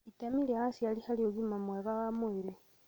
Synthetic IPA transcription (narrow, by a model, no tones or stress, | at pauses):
itamiljahasialihalioɣimamweβawamuiɾe